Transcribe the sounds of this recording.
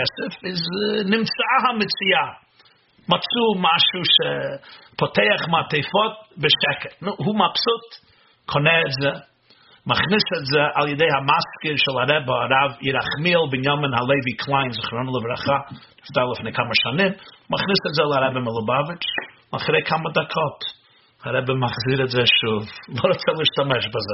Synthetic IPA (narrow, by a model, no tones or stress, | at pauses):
ɛsəfɪznɪmt͡saɦamɪt͡sɪa | mat͡suːmaʃuʃɛpʰɔtʰeɪaχmatʰeɪfɔt̚bəʃɛkətnʊɦuːmapsʊt | kʰɔnɛtzɛ | maχnɪsətzɛʔalˠjədeɪhamaskəɾʃɪlˠaɾɛbəaɾavjɪɾaχmiːlˠbɪnjɔmənhalˠeɪvikʰlˠaɪnzɪχnɔnəlˠəbɾaχadɪfdaɪlˠəfɪnɪkʰaməʃanɪmmaχnɪsətzɪlˠaɾɛbəmɪlˠʊbavɪt͡ʃma̰χɾeɪkʰamədakʰɔt | haɾɛbəmaχziːɾətzaʃufvɔɾɔtsalˠɪʃtamɛʃbazɪ